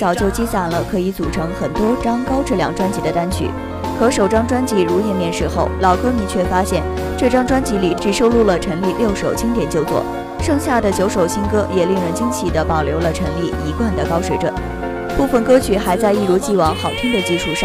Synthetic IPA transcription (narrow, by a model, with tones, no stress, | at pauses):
t͡sɑ˨˩ʊt͡ɕjo˥˩ʊt͡ɕi˥sa˨˩nlə˧kʰɤ˧˥i˧˥t͡su˨˩ʈ͡ʂʰɤ˧˥ŋxə˨˩nt̪wɔ˥ʈ͡ʂɑ˥ŋkɑ˥ʊʈ͡ʂɤ˥˩ljɑ˧˥ŋʈ͡ʂwa˥nt͡ɕi˧˥d̪ə˧t̪a˥nt͡ɕʰy̰˧˩˦ | kʰɤ˧˥ʂo˨˩ʊʈ͡ʂɑ˥ŋʈ͡ʂwa˥nt͡ɕi˧˥ɻu˧˥jɛ˥˩nmjɛ˥˧nʂɻ̩˥˧xo˥˩ʊlɑ˨˩ʊkʰɤ˥mi˧˥t͡ɕʰɥɛ˥˩fa˥ɕjɛ˥˩n | ʈ͡ʂɤ˥˩ʈ͡ʂɑ˥ŋʈ͡ʂwa˥nt͡ɕi˧˥li˨˩t͡ɕy˥˩ʂo˥ʊlu˥˩lə˩ʈ͡ʂʰə˧˥ŋli˥˧ljo˥˩ʊʂo˨˩ʊt͡ɕʰi˥ŋt̪jɛ˨˩nt͡ɕjo˥˧ʊt͡swɔ̰˥˩ | ʂɤ˥˧ŋɕja˥˩d̪ə˩t͡ɕjo˧˥ʊʂo˨˩ʊt͡ɕʰi˥ŋkɤ˥jɛ˨˩li˥˩ŋɻə˧˥nt͡ɕʰi˥ŋt͡ɕʰi˨˩d̪ə˦pɑ˨˩ʊljo˧˥ʊlə˧ʈ͡ʂʰə˧˥ŋli˥˩i˧˥kwa˥˩nd̪ə˩kɑ˥ʊʂwe˧˥ɪʈ͡ʂwə̰˥˩˦n | pu˥˩fə˨˩nkɤ˥t͡ɕʰy˨˥xa˧˥ɪt͡sa˥˧ɪi˥˩ɻu˧˥t͡ɕi˥˩wɑ˧˥ŋxɑ˨˩ʊt̪ʰi˥ŋd̪ə˨t͡ɕi˥˧ʂu˥˧ʂɑ˥˩ŋ